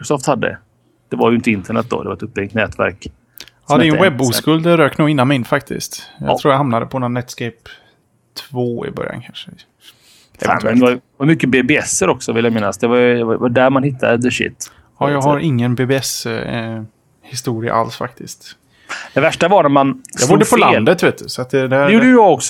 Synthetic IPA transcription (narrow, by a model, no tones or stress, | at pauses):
kɾɔsɔft̪had̪ːə̰ | d̪̥ɛvaɾjʏɪnt̪əɪnt̪ʰəɳɛt̪̚d̪ɔ̰d̪ɛvaɾɛt̪ɵp̪̚ːɛŋt̪nɛːt̪væ̰ɾk | ɑːd̪ɛɾjɛwɛbːuːskɵld̪ɛɾøːknuːɡɪnːanmɪnfak̚t̪ʰɪ̰st̪jɑ̰t̪ɾuːɾjahamnad̪əpʰɔnːɾanɛt̪skɛjp | t̪ʰvoːɪ̰bœ̰ɾja̰nkʰanʂə | ɛ̰vɛ̰nʰɛ | jmʏkːəbebeɛsːəɾɔksɔvɪljamɪnːasd̪ɛvajvaɖæɾmanhɪt̪ʰːa̰d̪əd̪əʂɪ̰t̪ː | ɑːjɑːɡhaɾʔɪŋːənbeːbeɛs | hɪst̪uːɾɪa̰ʔa̰lsfa̰k̚t̪ʰɪskt̪ | d̪ɛvæʂʈavaɾnæmanjɑɡbʊːɖːəpʰɔllad̪ət̪veːt̪̚d̪ɵsɔat̪̚d̪ɛd̪æɾjuaɔks